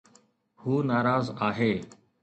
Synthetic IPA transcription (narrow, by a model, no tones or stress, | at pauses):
huːnaːɾaːzaːɦeː